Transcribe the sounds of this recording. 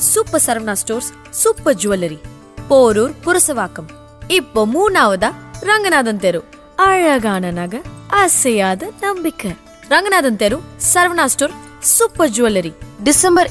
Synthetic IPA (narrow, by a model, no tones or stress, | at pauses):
supːɐsɐɾʋɐnaːsʈoːɾsː | upːɐd͡ʒuɐlɐɾi | poːɾuːɾpuɾɐsɐʋaːkɐm | ipːomuːnaːʋɐd̪aɾɐŋɡɐnaːd̪ɐnt̪eɾu | ɐɻɐɡaːnɐnaɡɐɐsɐjaːd̪ɐnɐmbikɐ | ɾɐŋɡɐnaːd̪ɐnt̪eɾusɐɾʋɐnaːsʈoːɾ | supːɐd͡ʒuɐlɐɾiɖisɐmbɐɾ